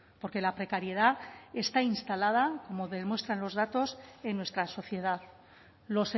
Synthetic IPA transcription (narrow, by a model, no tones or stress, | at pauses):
po̞ɾke̞lapɾe̞kaɾje̞ð̞ae̞st̪ainst̪alað̞ako̞mo̞ðemwe̞st̪ɾanlo̞zðat̪o̞se̞nːwe̞st̪ɾaso̞θje̞ðað | lo̞se